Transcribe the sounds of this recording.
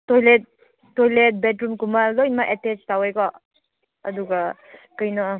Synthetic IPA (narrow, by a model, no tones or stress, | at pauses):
tojlet̚ː | ojlet̚betɾumkumalojnmaʔetet͡ʃtawejkɔ | ɐduɡa | kɐjnɔ